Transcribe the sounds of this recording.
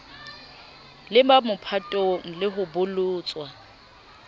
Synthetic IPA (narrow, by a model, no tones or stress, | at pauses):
lɪmamʊpʰatʼoŋ̩lɪɦʊbʊlʊːt͡sʼwa